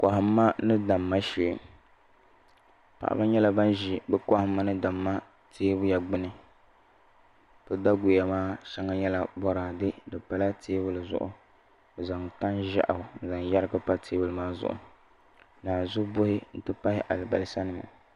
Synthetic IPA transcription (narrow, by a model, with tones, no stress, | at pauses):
ka˨hɪ˦mːa˦nɨ˦da˨mːa˦ʃeː˨ | pa̰˨ʔa̰˨ba˦ɲɛ˦la˦ba˦nʒi˨bɛ˦kɔ˦hɪ˦mːa˦nɨ˦da˨mːa˦ | tʰeː˦bʊ˦ja˨ɡ͡bɨ˦nɨ˦ | pɨ˦da˦ɡʊ˨ja˨maː˦ʃa˦ŋa˦ɲɛ˦la˨bɔ˦ɾaː˨dɨ˦dɨ˨pa˨la˦tʰeː˦bɨ˦lɨ˨zʊ̰˦ʔʊ˨ | o˨za˨ŋ˨ta˦nʒa̰˦ʔa˨hʊ˨n̩˨za˨ŋ˨ja˦ɾka˦pa˦tʰeː˦bʊ˨lɨ˨maː˦zʊ̰˨ʔʊ̰˨ | naː˨zʊ˦bʊ˦hɪ˦n̩˨tɨ˦pa˦hɪ˦ʔa˨lɨ˨ba˨lɨ˦sa˦nɨ˨ma̰˨